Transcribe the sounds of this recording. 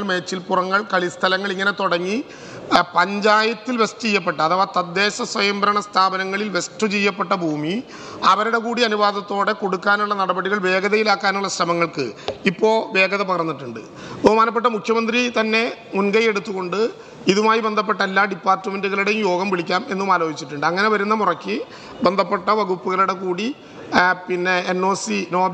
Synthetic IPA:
ɭme̞ːt͡ɕːilpurɐŋːɐɭkɐɭist̪ʰɐlɐŋːɐɭiŋːɐne̞t̪oɽɐŋːi | pɐɲd͡ʑaːjɐt̪ːilʋe̞stut͡ɕejːɐp̬ːe̞ʈːɐɐðɐʋoːt̪ɐd̪ːe̞ːɕɐswɐjɐmbɐɾɐɳɐst̪ʰaːbɐnɐŋːɐɭilʋe̞stːut͡ɕejːɐpːe̞ʈːɐbʱuːmi | ɐʋɐɾuɽe̞kuːɽiɐnuʋaːðɐt̪ːo̞ːɽe̞ko̞ɽukːaːnuɭːɐnɐɽɐbɐɽiɣɐɭʋe̞ːɡɐðɐjilaːkːaːnuɭːɐɕrɐmɐŋːɐɭkɨ̰ipːo̞ːʋe̞ːɡɐðɐpɐɣɐrɐnːiʈːuɳɖɨ̰ | bɐɣɐmaːnɐp̬ːeʈːɐmukʰjɐmɐnd̪rit̪ɐnːe̞munɡɐje̞ɽut̪ːuɣo̞ɳɖɨ | iðumaːjibe̞nd̪ʱɐp̬ːe̞ʈːɐelːaːɖipːaːrtːɨme̞nduɣɐɭuɽejumjo̞ːɡɐmʋiɭikʲːaːme̞nːumaːlo̞ːd͡ʑit͡ɕːiʈːuɳɖɨɐŋːɐne̞ʋɐɾun̪ːɐmurɐkʲːɨ | be̞nd̪ʱɐpːe̞ʈːɐʋɐɣupːuɣɐɭuɽe̞kuːɽi | pinːe̞ːnːo̞ːsino̞ː

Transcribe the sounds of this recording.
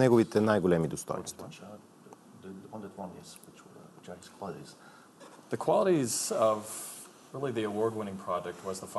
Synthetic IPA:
nɛɡovit̪ɛnajɡolɛmid̪ost̪ɔ̰jno̰st̪vi | əwʌ̃ndətwɔ̃njɛswɪt͡ʃt͡ʃaskʰw̥ɑlˠəɾiz̥ | ðɨkʰw̥ɑlˠəɾizʌv | ɹɪlˠiðiəwɔɹd̚wɪ̃ñɪ̃ŋpʰɹ̥ɑd͡ʒɛk̚t̚wʌzðəf

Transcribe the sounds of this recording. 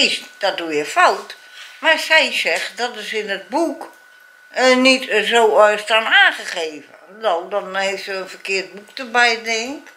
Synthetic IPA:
ɪsd̥ɔt̚duɪfɔlˠt | marsɛjsɛxtdɔtəsɪnət̚buk | nitzoːɔjstanaːxəχeːvədoldɔnheːftsəənfərkɪərt̚buk̚təbɛjdɪŋk

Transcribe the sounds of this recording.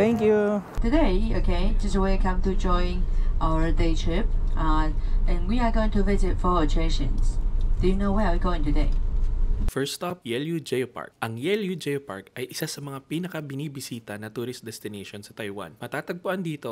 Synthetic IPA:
t̪ɛ̃ŋkju | t̪ɨdeɪokʰeɪd͡ʒʌsəweɪakʰʌ̃mtud͡ʒɔ̃ɪ̃ñŋʔaʊə˞deɪt͡ʃʰɪp̚ʔʔɛ̃nwiəɡoʊɪ̃ŋtuvɪzɪtfɔ˞ott͡ʃʰeʃə̰̃nsd̥ɨjɨnoʊwɛwiɡoʊɪ̃ŋtɨdeɪ | fɛɹst̪ap̚jɛljud͡ʒejpa̰ɹk̚ʔɐŋjɛljud͡ʒejpa̰ɹkʔɐjʔɪsasɐmɐŋapiːnɐkɐbɪnibɪsiːt̪ɐnɐt̪uɾɪs̚d̪ɛst̪ɪneʃonsɐt̪ajwa̰nmɐt̪aːt̪ɐɡ̚pʊʔand̪iːt̪o

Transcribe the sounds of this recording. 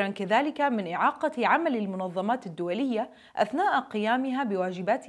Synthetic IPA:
ɾɑnkaðaːlɪkamɪnʔɪʕɑːqɑʕamalɪlmʊnɑðˤːɑmaːt̪ad̪ːʊwalɪjːa | ʔa̰θnaːʔqɪjaːmɪɦabɪwaːd͡ʒɪbaːt̪

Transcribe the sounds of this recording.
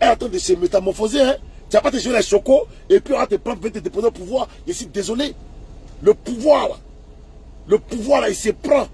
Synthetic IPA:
ɛlat̪ãd̪esemet̪amɔfozeɛ̃t̪iapat̪eʒelasokoepiwat̪epɾãvɛ̃t̪ed̪epɔ̃zẽopuvwajɛsid̪ezole | ləpuvwala̰ | ləpuvwalaisepɾã

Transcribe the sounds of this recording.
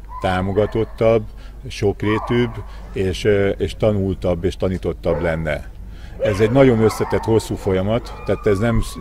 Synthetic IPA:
t̪aːmo̞ɡɒt̪o̞t̪ːɒb | ʃo̞kreːt̪yːb | eːʃeːʃt̪ɒnult̪ɒbːeːʃt̪ɒniːt̪o̞t̪ːɒblɛnːɛ̰ | ɛzɛɟnɒɟo̞nøslɛt̪ɛt̪ho̞sːuːfo̞jɒmɒt̪ːaːt̪ɛznɛm

